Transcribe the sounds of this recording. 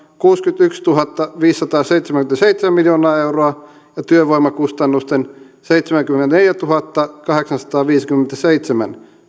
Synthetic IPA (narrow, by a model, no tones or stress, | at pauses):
kuːskyt̪ykst̪uɦɑt̪ːɑʋiːsːɑt̪ɑːseit̪semæŋkyment̪æseit̪semæmiljoːnɑːeuroɑ | jɑt̪yøʋoimɑkust̪ɑnːust̪en | seit̪semæŋkyment̪æneljæt̪uɦɑt̪ːɑkɑɦeksɑnsɑ̥t̪ɑːʋiːskymːent̪æseit̪semæ̰n